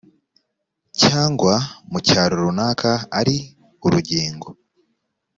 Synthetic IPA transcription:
caːŋɡwamucaːɾoɾunaːkʰaːɾi | uɾuɟiːŋɡo

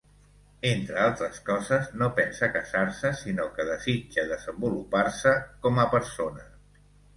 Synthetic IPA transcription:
ent̪ɾəalˠt̪ɾəskɔzəznopɛnsəkəsarsəsinokəðəzid͡ʒəðəzəmbuluparsəkɔməpəɾsonə

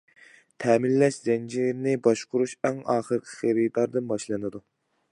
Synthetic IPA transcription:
t̪ʰɛmɪlːɛʃz̥ɛnd͡ʒiɾnɪbɑʃqʰʊɾuʃɛŋɑːχəɾqʰə̥χeɾid̪ɑɾd̪ɨnbɑʃlˠɨnɨd̪u

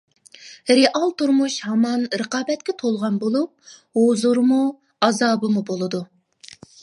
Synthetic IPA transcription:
ɾeʔɑlˠt̪uɾmuʃhɑmɑnɾəqɑːbɛt̪̚kʲɛt̪ʰolˠʁɑnbolˠup̚ɦozuɾmu | ɑzɑːbɨmubolˠɨd̪u

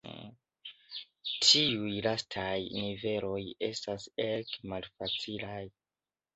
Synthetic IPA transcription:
tʰiujlastʰajnive̞lo̞jestasekmalfat͡silaj

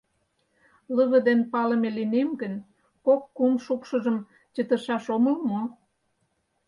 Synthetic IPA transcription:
ləβə̆d̪enpɑləmelinemɡən | kokːumʃukʃə̆ʒəm | t͡ɕə̆t̪ə̆ʃɑʃomə̆lmo

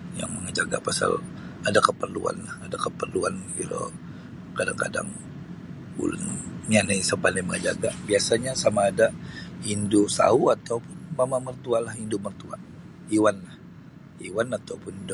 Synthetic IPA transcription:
ja̰ŋməŋəd͡ʒaɡa̰pasa̰l | adakəpərlṵa̰nlahadakəpərluanlo̰ | kadaŋka̰da̰ŋ | bṵlanɲanajsəbanaməŋəd͡ʒaɡabiasaɲasamaːdaindusa̰uat̪aupʊnmamamərt̪ualahindʊmərt̪ua | iwanlah | iwanat̪aupʊnd

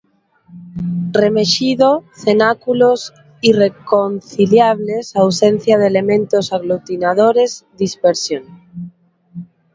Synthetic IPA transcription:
remeʃiðoθenakulos | irekonθiljaβle̞sawsenθjaðelemẽ̞nt̪osaɣlut̪inað̞oɾe̞zd̪ispeɾsjon

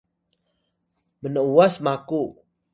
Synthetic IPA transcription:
mənəuasmaku

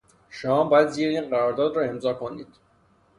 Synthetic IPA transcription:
ʃomɒːbɒjæd̪ziɾeiːnɢæɾɒːɾd̪ɒːd̪ɾɒːe̞mzɒːkʰo̞niːd̪̥

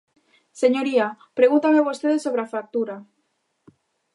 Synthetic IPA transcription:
seɲoɾiapɾeɣunt̪ameβost̪eðesːoβɾeafɾak̚t̪uɾa

